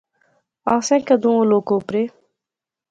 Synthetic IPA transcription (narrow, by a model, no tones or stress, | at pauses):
aːsẽkɐd̪ũõloːkopɾe